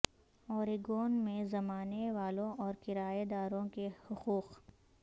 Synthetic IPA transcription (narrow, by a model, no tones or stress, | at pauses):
ɔːɾiɡoːnmẽzɐmaːneʋaːlõʔɔːɾkɪɾaːed̪aːɾõkehʊquːq